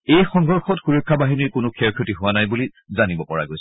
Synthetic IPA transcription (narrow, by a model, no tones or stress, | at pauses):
ejxɔ̃ŋɡɔɹxɔtxuɹɔkʰːabaɦiniɹkʊnʊkʰɛɹkʰjotiɦʊwanajbuli | zanibɔpɔɹa̰ɡojsɛ